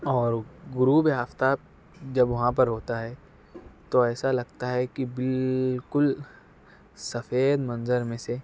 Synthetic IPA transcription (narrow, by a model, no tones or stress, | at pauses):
ɔːɾɡʊɾuːbeɦaft̪a | d͡ʒɐbʋɐɦãp̬ɐɾɦoːt̪aɦɛː | t̪oɛːsalɐɡ̚t̪aɦɛkibɪlkʊl | sɐfeːd̪mɐ̃nzəɾmẽse